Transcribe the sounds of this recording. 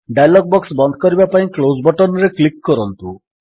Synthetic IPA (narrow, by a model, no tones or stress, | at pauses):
ɖajlɔk̚bɔksbɔnd̪ʱɔ̥kɔɾibapaĩklozbɔʈɔnɔɾeklikːɔɾɔnt̪u